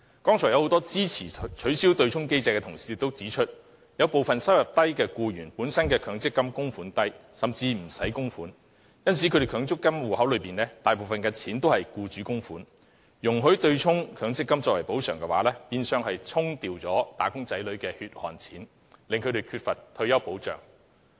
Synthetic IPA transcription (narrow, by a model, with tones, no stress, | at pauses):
kɔː˥ŋt͡ʃʰɔː˨˩jɐ˧who˨˥wt̪ɔː˥t͡siː˥t͡sʰiː˨˩t͡ʃʰɵ˨˥ɥsi˥wt̪ɵ˧ɥt͡ʃʰʊ˥ŋke˥jt͡sɛː˨˧jkɛ˧t̪ʰʊ˨˩ŋsi˨˧ɪ˨˧t̪o˥wt͡siː˨˥t͡ʃʰɵ˥t̚ | jɐ˨˧wpo˨wfɐ˨nsɐ˥wjɐ˨˩p̚t̪ɐ˥jkɛː˧kuː˧jyː˨˩npuː˨˥nsɐ˥nkɛː˧kʰœː˨˥ŋt͡sɪ˥kːɐ˥mkʊ˥ŋfuː˨˥nt̪ɐ˥jsɐ˨mt͡siː˧m̩˨˩sɐ˨˥jkʊ˥ŋfuː˨˥n | jɐ˥nt͡sʰi˨˥kʰɵ˧ɾe˨kʰœː˨˧ŋt͡sʊ˥kːɐ˥mwuː˨hɐ˨˥wlɵ˨˧piː˨˩nlɛː˥t̪aː˨jp̬o˨wfɐ˨nkɛː˧t͡sʰiː˨˥nt̪o˥whɐ˨jkuː˧t͡ʃyː˨˥kʊ˥ŋfuː˨˥n | jʊ˨˩ŋɦɵ˨˥ɥt̪ɵ˧ɥt͡sʰʊ˥ŋkʰœː˨˥ŋt͡sɪ˥kːɐ˥mt͡sɔː˧wɐ˨˩jpo˨˥wsœː˨˩ŋkɛ˧wa̰ː˨˥lɛː˥piː˧nsœː˨˧ŋhɐ˨jt͡sʰʊ˥ŋt̪iː˨wt͡sɔː˨˥t̪aː˨˥kʊ˥ŋt͡sɐ˨˥jlɵ˨˧˥ɥkɛː˧hyː˧t̚hɔ̰ː˨˩nt͡sʰiː˨˥n | lɪ˨ŋkʰɵ˨˧ɥɾe˨˩jkʰyː˧t̚fɐ˨t̚t̪ʰːɵ˧ɥjɐ˥wpo˨˥wt͡sœ̰ː˨˩ŋ